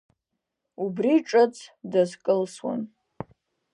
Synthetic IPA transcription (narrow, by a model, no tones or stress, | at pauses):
ubriʈ͡ʂʼat͡sʰdazkʼɨlswa̰n